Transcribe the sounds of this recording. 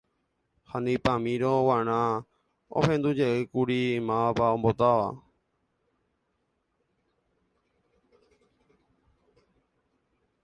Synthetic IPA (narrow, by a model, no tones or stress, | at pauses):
hanĩpãmĩɾõʋaɾ̃ã | o̰hẽ̞nd̪ud͡ʒeʔɨkuɾimãpaõmbot̪aʋa̰